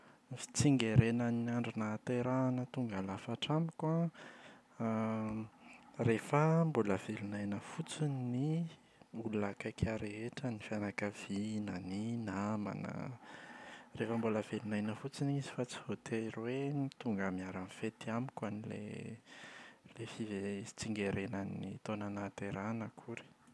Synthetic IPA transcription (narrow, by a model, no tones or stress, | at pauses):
fi̥t͡siŋɡeɾenəniaɳɖ͡ʐinat̪eɾanət̪uŋɡalafaʈ͡ʂamikwa | refəmbuləv̥elunajnəfut͡sini | uluakakʰaɾeeʈ͡ʂənifanakav̥inəninama̰nə̰ | refəmbuləvelunajnəfut͡sinizi̥fat͡sivot̪eɾwenit̪uŋɡəmiaɾanfet̪iamikwanilḛ | lefivet͡siŋɡeɾenənit̪onanat̪eɾanəkʰuɾi̥